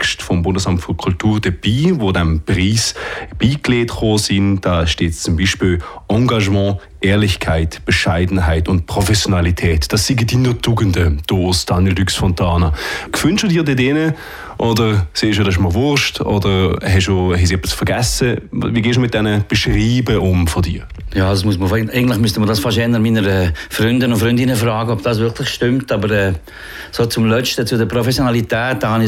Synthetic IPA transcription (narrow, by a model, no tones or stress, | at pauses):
kʃtfɔmbʊndəsamtfʏkʰultuːʁd̥əb̥iːvodɛmpʁiːsb̥iːkleːtχoːsind̥aːʃteːtt͡sʊmbiːʃpiːlʔɑ̃ŋɡaʒmɑ̃ː | ʔɛːʁlɪçkʰaɪtb̥əʃaɪdn̩ɦaɪtʊnt̚pʁ̥ɔfɛsjonalitʰɛːtd̥ɑsːiɡədiːnəʁtuːɡəndəd̥oːsd̥aːnjɛldyksfɔntʰaːnəkv̥ʏnʃədiːdeːdɛːnə | ʔɔdəʁseːʃodɑɪʃmɔlvʊʁʃtɔ̰dəʁhɛʃdoːɦhɛsiɛpɪsfəɐɡɛsəviːɡɛːʃd̥umɪt̚d̥ɛnəb̥ɛʃʁiːbəʔʊmfɔdḭː | jaːdasmuəsməfɛɪɡəntlɪχmystəmədɑːsfɑʃɛnəmiːnəɾɛfɾʏndənʊfɾʏndɪnəfraːɡəɔbd̥ɑːs̬vɪʁkʰlɪχʃtʏmtɑbəɾɛː | soːt͡sʊmlœt͡ʃtət͡sʊdəpɾɔfɛsjonalitɛːt̚d̥ɑhɑnɪ